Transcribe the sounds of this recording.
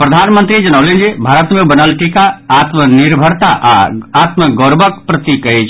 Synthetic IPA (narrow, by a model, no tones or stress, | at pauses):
pɾəd̪ʱanmənt̪ɾid͡ʒənəwlend͡ʒebʱaɾət̪mebənəlʈikaːt̪məniɾbʱəɾt̪aʔaat̪məɡoɾbʱəkpɾət̪ikət͡ʃʰ